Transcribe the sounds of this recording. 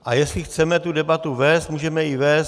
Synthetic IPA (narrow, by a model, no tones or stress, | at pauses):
ʔajɛslɪxt͡sɛmɛt̪udɛbat̪uvɛːst̪muːʒɛmɛjɪvɛːs